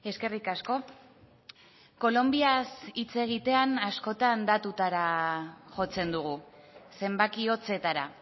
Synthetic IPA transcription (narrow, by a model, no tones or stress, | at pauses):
e̞ske̞rikasko̞ | ko̞lo̞mbiasit͡se̞ɣ̞it̪e̞anasko̞t̪and̪at̪ut̪aɾaʝo̞t͡se̞nd̪uɣ̞use̞mbakio̞t͡se̞t̪aɾa